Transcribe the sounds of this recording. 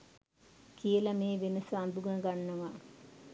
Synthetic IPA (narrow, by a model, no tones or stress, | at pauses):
kijəlɐmeːʋenəsuand̪uɡɐɡanːəʋa